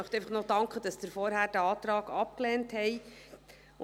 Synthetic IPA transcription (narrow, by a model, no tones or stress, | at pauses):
œχt̪ɛjfɑχnɔd̥ɑŋkχəd̥ɑsd̥̪əɾfɔɾɦæːɾd̥æɑːt̪ɾɑːɡɑp̚klɛːnthɛj